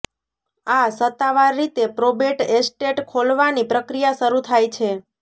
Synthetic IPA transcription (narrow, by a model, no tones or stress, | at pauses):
asət̪ːaʋaɾːit̪epɾobeʈesʈeʈkʰolʋanipɾəkɾijaʃəɾut̪ʰajt͡ʃʰe